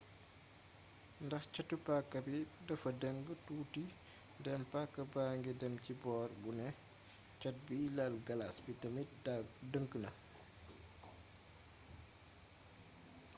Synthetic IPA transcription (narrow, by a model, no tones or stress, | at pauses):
ndɐxcɔtːupakːɐbidɐfɐdəŋɡətuːti | ndɛmpakːɐbaːŋɡidɛmcibɔːrbunɛ | cɔt̚biːlalɡɐlasbitɐmidəŋkːənɐ